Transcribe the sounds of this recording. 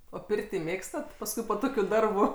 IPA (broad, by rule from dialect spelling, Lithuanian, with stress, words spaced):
oː ˈpʲɪrʲtʲiː ˈmʲeːkstɐt pɐsˈkʊɪ poː ˈtoːkʲʊ ˈdɐrbʊ